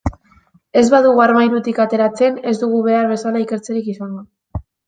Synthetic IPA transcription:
e̞zβaðuɣuaɾmajɾut̪ikat̪e̞ɾat͡se̞ne̞zd̪uɣ̞uβe̞aɾβe̞salaike̞ɾt͡seɾikisanɡa

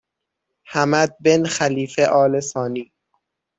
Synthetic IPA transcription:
hæmæd̪̚benxæliːfeʔɒːlesɒːniː

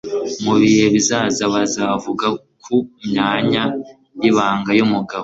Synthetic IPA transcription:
muβihe̞βizaːzaβazavuɡa | kʰumɲaːɲa | jiβaːŋɡajumuɡaβo

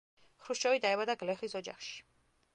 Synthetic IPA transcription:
χɾuʃɔvid̪aɛbad̪aɡlɛχisɔd͡ʒa̰χʃi̥

